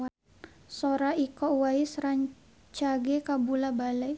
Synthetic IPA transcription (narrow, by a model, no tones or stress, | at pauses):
a | soɾaikɔʔwaisraɲ | t͡ʃaɡɛkabulabalɛ